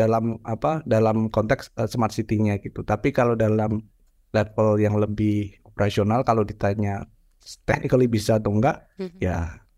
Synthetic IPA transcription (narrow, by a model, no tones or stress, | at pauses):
alamapadalamkɔnt̪ɛksəsəmat̪̚sit̪iɲakit̪ut̪apikalodalam | lɛt̪̚əljaŋləbɪhopəɾasionalkalodit̪aɲa | t̪ɛk̚nikalibisat̪oŋɡaʔja